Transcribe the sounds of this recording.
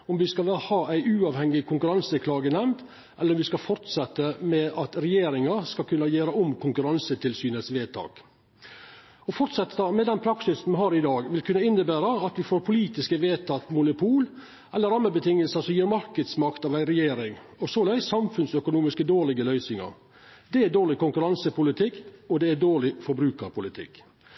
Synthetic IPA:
ɔmʋɪskɑhɑːʔæɪʔʉːɑːʋhɛŋːɪkʰʊŋkʉɾɑnsəkʰlɑːɡənɛmnt̪ | ʔɛlːəɾɔmʋɪskɑfɔɾt̪sɛt̪ːəmɛʔɑt̪ɾɛjeːɾɪŋɑɾskɑkʰʉnːɑjeːɾəɔmkʰʊŋkʉɾɑnsət̪ʰɪlsyːnəsʋeːt̪ʰɑ̰ːk | ɔfɔɾt̪sɛt̪ːɑmɛd̪ɛnpʰɾɑksɪsmɛɦɑːɾɪd̪ɑːɡʋɪlkʰʉnːəɪnːəbæːɾəɑt̪ʋɪfoːɾpʰʊliːt̪ɪskəʋeːt̪ʰɑt̪mʊnʊpʰuːl | ʔɛlːəɾɑmːəbət̪ʰɪŋəlsəsɔmjiːɾmɑɾkəd̪smɑkt̪ɑːʋæɪɾɛjeːɾɪŋɔsoːlæɪsːɑmfʉnsœkʊnuːmɪskəd̪oːɾɭɪɡəlœʏsɪŋɑ̰ɾ | d̪ɛæd̪oːɭɪkʊŋkʉɾɑnsəpʊlɪt̪ʰɪkːɔd̪ɛæɖoːɭɪfɔɾbɾʉːkəɾpʰʊlɪt̪ʰɪ̰kː

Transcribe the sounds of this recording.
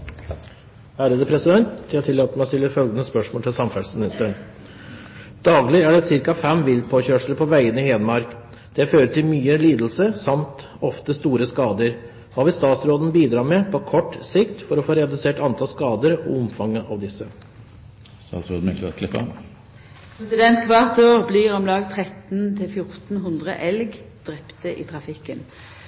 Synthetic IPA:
hæːɾəd̪əpʰɾɛsɪd̪ɛnt̪d̪ɪɑt̪ʰɪlːɑːt̪əmæɪɔst̪ɪlːəfœlɡənəspœʂmoːlt̪ʰɪlsɑmfæsmɪnɪst̪əɳ | d̪̥ɑːɡlɪæɖɛsɪɾkɑfɛmʋɪld̪pʰoːçøːʂləpʰɔʋæɪənəɪheːd̪mɑɾk | d̪̥ɛføːɾət̪ʰɪlmyːəliːd̪l̩səsɑmt̪ | ɔft̪əst̪uːɾəskɑːd̪əɾ | hɑʋɪst̪ɑːt̪sɾoːd̪n̩biːd̪ɾɑːɾmɛpʰɔkʰɔʈːsɪkt̪fɔɾɔfoːɾɛd̪ʉseːʈɑnt̪ʰɑlskɑːd̪əɾɔ̰ʊmfɑŋːəʔɑʋd̪ɪsːə | st̪ɑ̰ːt̪sɾo̰ːd̪n̩ɛk̪ɔ̰kʰlɪpːə̰ | pʰɾɛsɪd̪ɛnt̪ʋæʁt̪oːʁbliʁɔmlɑːɡ̚t̪ʰʁɛt̪nt̪ʰɪlfjʊʁt̪n̩ɦʉnd̪ʁə̰ʔɛlɡd̪̥ʁɛpt̪əʔɪ̰t̪ʰʁɑfɪkːən

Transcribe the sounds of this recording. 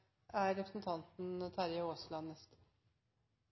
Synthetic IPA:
æːɾːɛpʰɾəsnt̪ʰɑnt̪n̩t̪ʰæɾjəoːslɑnnːɛst̪

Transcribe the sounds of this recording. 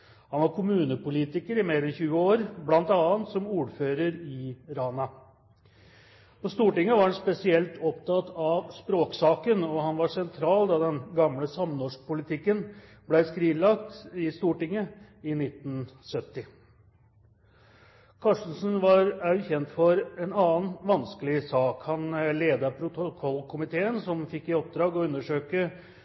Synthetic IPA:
hɑnʋɑɾkʰʊmʉːnəpʊliːt̪ɪkəɾɪmeːɾɛnçʉːəoːɾblɑnt̪ɑːənt̪sɔmuːɾføːɾəɾɪɾɑːnɑ | pɔst̪uːʈɪŋːəʋɑɾhɑnspɛsɪɛlt̪ʰɔpt̪ʰɑt̪ɑʋspɾoːksɑːkənɔhɑnʋɑʂɛnt̪ʰɾɑːld̪ɑd̪ɛnɡɑmləsɑmnɔʂk̚pʊlɪt̪ʰɪkːən | blæɪskɾiːnlɑkt̪ɪst̪uːʈɪŋːə | ɪnɪt̪ːn̩sœt̪ːɪ | kʰɑʂən̩sənʋɑɾæçɛnt̪fɔɾɛnɑːnʋɑnskəlɪsɑːkhɑnleːd̪ɑɾpʰɾʊt̪ɔkʰɔlkʰʊmɪt̪ʰeːənsɔmfɪkːɪɔp̚d̪ɾɑːɡɔʉnːəʂøːkə

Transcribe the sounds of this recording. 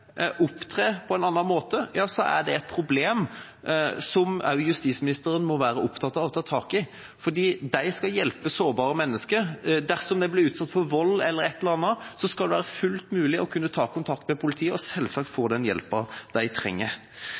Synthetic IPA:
ʔʊpt̪ʰɾeːpʰɔɛnɑnːɑnmoːt̪əjɑːsɔʔæ̰ɖ̪ɛɛɪt̪̚pʰɾʊbleːm | sɔmɑ̰ʉjʉst̪iːsmɪnɪst̪əɾənmɔʋæːɾəʔʊpt̪ʰɑt̪ːɑʋɔt̪ʰɑːt̪ʰɑːkɪ | fɔd̪iːd̪æɪskɑljɛlpəsoːɾbɑːɾəmɛnːəskəɾd̪æɾsɔmd̪æɪblɪɾʉːt̪sɑt̪ːfɔɾʋɔlːɛlːəɾɛt̪ːɛləɾɑnɑsɔskɑld̪ɛʋæːɾəfʉlt̪mʉːlɪʔɔkʰʉnːət̪ʰɑːkʰʊnt̪ʰɑk̚t̪mɛpʰʊlɪt̪ʰiːəɔsɛlːsɑːk̚t̪foːd̪ɛnjɛ̰lpɑd̪̥æɪt̪ʰɾɛ̰ŋːəɾ

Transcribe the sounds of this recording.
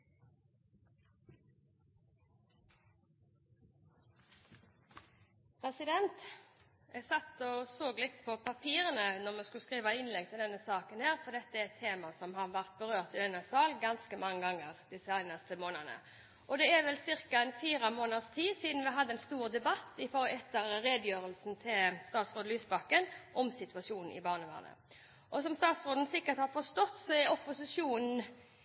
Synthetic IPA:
pʰʁɛsɪd̪ɛnt̪ | ɛsɑt̪ːɔsoːɡlɪt̪pʰɔpʰɑpʰiːʁənənɔʁmɛːskʉskʁiːʋɑɪnlɛŋt̪ʰɪld̪ɛnːəsɑːkənhæːʁfɔʁd̪ɛt̪ːəæɛt̪ʰːeːmɑsɔmhɑʁʋæʁt̪̚bəʁøːʁt̪ɪd̪ɛnəsɑːlɡɑnskəmɑŋːəɡɑŋːəʁd̪ɪsəæɪnɑst̪əmoːnənə̰ | ʔɔd̪ɛɛʋɛlsɪɾkɑɛnfiːɾɑmoːnəst̪ʰiːsiːd̪n̩ʋɪɦɑd̪ːəɛnst̪uːʁd̪ɛbɑt̪ːɪfɔʁɛt̪ːəɾɾeːd̪əjøːɾəlsn̩t̪ʰɪlst̪ɑːt̪sʁoːd̪əlyːsbɑkːənʔɔmsɪt̪ʉɑsuːnn̩ʔɪ̰bɑːʁnəʋæ̰ːʁnə̰ | ʔɔsɔmst̪ɑːt̪sʁoːd̪n̩sɪkːət̪hɑːʁfɔst̪ɔt̪ːsɔɛɾɔpːʊsɪʂuːnn̩

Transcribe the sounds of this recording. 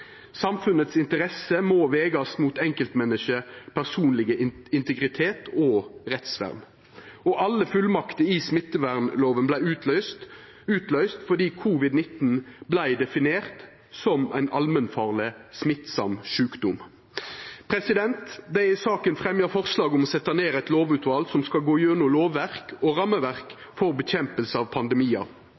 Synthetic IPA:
sɑmfʉnət̪sɪnt̪əʁɛsəmoːʋeːɡɑsmuːt̪ɛŋkəlt̪mɛnəʃəpʰæʁsuːnlɪɡəɪnt̪əɡʁɪt̪ʰeːt̪ʰɔːʁɛt̪sʋæ̰ʁn | ɔʔɑlːəfʉlmɑkt̪əɪsmɪt̪ːəʋæʁnloːʋənblæɪʉːt̪ʰlœʏst̪ | ʉːt̪lœʏst̪fɔd̪iːkʰuːʋɪd̪nɪt̪n̩blæɪd̪ɛfɪneːʁt̪ | sɔmæ̰ɪnʔɑlmənfɑːʁlɪsmɪt̪sɑ̰mʃʉːkd̪ʊm | pʰɾɛsɪd̪ɛnt̪d̪æsɑːkənfʁɛmjəfɔʁslɑːɡəɔmɔsɛt̪ːɑneːʁæɪt̪loːʋʉːt̪ʋɑːlsɔmskɑlɡoːjøːnuːloːʋːæʁkɔʁɑmːəʋæʁk | fɔʁbəçɛmpəlsəɑːʋpʰɑnd̪ɛmiːɑ̰

